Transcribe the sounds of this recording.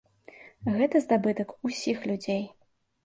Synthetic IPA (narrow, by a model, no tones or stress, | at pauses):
ɣɛt̪ɐzd̪abɨt̪ɐkusʲixlʲud͡zʲej